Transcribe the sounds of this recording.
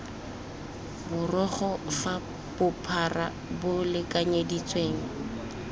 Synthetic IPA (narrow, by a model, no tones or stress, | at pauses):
bʊrɔχɔfa | b̥ʊpʰara̰ | bʊlɪkʼaɲedit͡sʼweːŋ̩